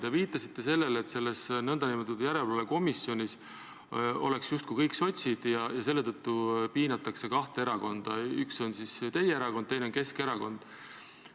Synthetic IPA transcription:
t̪eviːt̪ːˑɑsit̪ːe̞se̞lːe̞let̪se̞lːesnɤnd̪̥ɑnimot̪ːud̪jæɾelvɑleko̞misio̞nʲis | o̞̰le̞ksjust̪kujkɤjkso̞t̪ʲsid̪̥jɑjɑse̞lːe̞t̪ɤt̪ːupiːnɑt̪ːˑɑkse̞kɑht̪eeɾɑko̞nd̪̥ɑykso̞nsist̪e̞jeeɾɑko̞nd̪̚ejneo̞nke̞ske̞ɾɑko̞nd̪̥

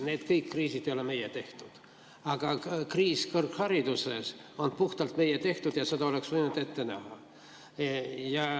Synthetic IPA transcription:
ne̞ːd̪̥kɤjkːriːsid̪̥ejo̞leme̞jet̪e̞ht̪ud̪̥ | ɑɡ̥ɑkriːskɤrkhɑɾid̪̥useso̞npuht̪ɑlt̪me̞jet̪e̞ht̪ud̪̥jɑse̞d̪ɑo̞le̞ksvɤjnud̪̥e̞t̪ːe̞næ̰hɑ | jɑ

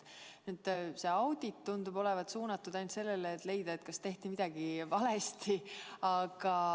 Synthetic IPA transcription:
nyːd̪̥se̞ɑwd̪̥it̪ːund̪ub̥o̞le̞vɑt̪suːnɑt̪ːud̪æjnt̪se̞lːeleːt̪ːˑle̞jd̪̥ɑet̪kɑst̪e̞ht̪imid̪̥ɑɡivɑle̞st̪iɑɡ̥ɑ

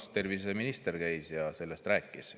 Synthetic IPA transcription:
st̪e̞rvise̞minist̪e̞ɾkæjsjɑse̞lːest̪ræːkːˑis

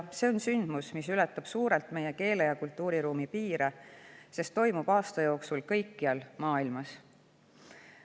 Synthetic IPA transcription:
se̞onsynd̪̥musmisylɛt̪ːˑɑb̥suːɾelt̪ˑme̞je̞ke̞ːlejɑkult̪ˑːuːɾiɾuːmipiːɾese̞st̪ːo̞jmub̥ɑːst̪ɑjo̞ːksulkɤ̞jkːiɑlmɑːilmɑs

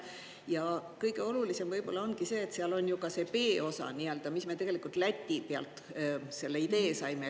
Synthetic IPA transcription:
jɑkɤjɡe̞o̞lulise̞mvɤjb̥o̞lːɑo̞nɡ̥ise̞ːt̪seɑlo̞nʲjukɑse̞pe̞ːo̞sɑ̰niøld̪̥ɑmismet̪e̞ɡelikult̪ˑlæt̪ʲːipeɑ̰lt̪ˑse̞lːe̞id̪e̞ːsɑjme

